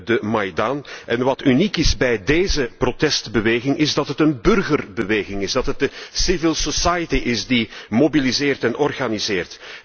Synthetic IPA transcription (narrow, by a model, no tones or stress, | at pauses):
dəmajdanʔɛnʋɑtynikɪzbɛjdeːzəprotɛstbəʋeːɣɪŋʔɪzdɑtɦətənbʏrɣərbəʋeːɣɪŋɪzdɑtɦət̚dəsɪvɪlˠsɔsajətiʔɪsdimobilizɪːrtɛnɔrɣanizɪːrt